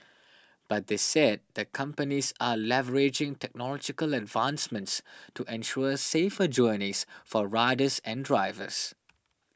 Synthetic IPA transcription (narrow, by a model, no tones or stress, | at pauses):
b̥at̚d̪esɛd̚d̪əkʰʌ̃mpənisalɛvəɹed͡ʒɪ̃ŋtɛk̚nɔlɔd͡ʒɪkələdvãnsmə̃ntstuʔɛ̃nʃuəseːfəd͡ʒɔnisfɔɹaɪdəsɛ̃ndɹaɪvə̰s